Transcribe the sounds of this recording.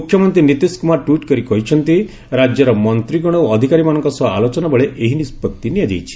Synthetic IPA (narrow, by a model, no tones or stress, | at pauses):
mukʰjɔmɔnt̪ɾinit̪iskumaʈwiʈkɔɾikɔɦit͡ʃʰɔnt̪i | ɾad͡ʒjɔɾɔmɔnt̪ɾiɡɔɽ̃ɔoɔd̪ʱikaɾimanɔŋkɔsɔa̰lot͡ʃɔnabɔɭeʔeɦinispɔt̪ːinijad͡ʒḛjt͡ʃʰi̥